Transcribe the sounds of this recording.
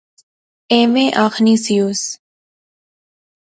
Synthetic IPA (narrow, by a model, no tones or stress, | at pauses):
eːmẽːʔaːxniːsijuːs